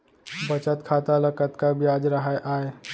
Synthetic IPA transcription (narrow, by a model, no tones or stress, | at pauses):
bət͡ʃət̪kʰat̪aləkət̪kabijad͡ʒɾəɦəjʔae